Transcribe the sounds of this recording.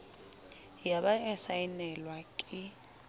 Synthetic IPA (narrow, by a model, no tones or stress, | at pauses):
jaɓaɛsajinɛlwakʼɪ